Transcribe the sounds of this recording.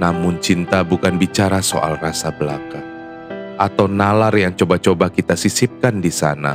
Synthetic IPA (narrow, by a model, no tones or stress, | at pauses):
namʊnt͡ʃint̪abukanbit͡ʃaɾaso̰ʔa̰lrasabəla̰ka | ʔat̪awnalarjaŋt͡ʃobat͡ʃobakit̪asisip̚kandisa̰na̰